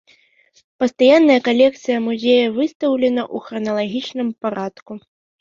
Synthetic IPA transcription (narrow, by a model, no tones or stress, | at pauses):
pɐst̪ajanːɐjɐkalʲɛkt̪sɨjɐmuzʲɛjɐvɨst̪ɐwlʲɛnɐʔuxɾɐnɐlˠaɣʲit͡ʂnɨmpaɾat̪ku